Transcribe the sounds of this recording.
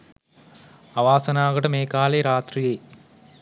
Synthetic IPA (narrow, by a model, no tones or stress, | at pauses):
ɐʋaːsɐnaːɣɐɽɐmeːkːaːlɐɾaːt̪rijeː